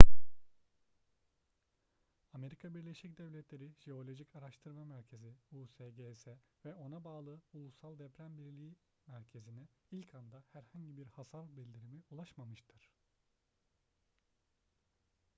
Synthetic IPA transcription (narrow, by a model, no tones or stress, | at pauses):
ame̞ɾikʰabiɾlʲe̞ʃicd̪ɛvlʲɛt̪ʰlʲe̞ɾiʒ̥eo̞lʲo̞ʒicʰaɾaʃt̪ʰɯɾmamæɾcʰe̞ziuːseːɟeːsɛ | vɛʔo̞nabaːlˠɯulˠusalˠd̪ɛpɾænbiɾlʲiː | mæɾcʰe̞zinɛilʲcʰand̪ahæɾhaɲɟibiɾhasaɾbilʲd̪ʲiɾimiulˠaʃmamɯʃt̪ʰɯɾ̥